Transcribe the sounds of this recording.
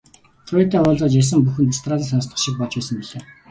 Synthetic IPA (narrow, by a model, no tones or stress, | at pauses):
t͡sʰʊet̪æːʊːɮt͡sɔːt͡ɕas̬ə̆mpuxɘ̆nt̪st̪raːt̪asanst̪ɢə̆χʃɪk̚pɔɮt͡ɕpæːsə̆mpiɮeː